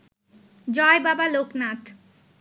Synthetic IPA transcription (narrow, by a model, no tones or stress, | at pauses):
d͡ʑɔebabaloknat̪